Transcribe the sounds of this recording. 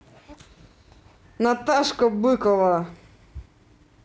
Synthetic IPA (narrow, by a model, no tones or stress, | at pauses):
nat̪aʂkɔbɨkɔva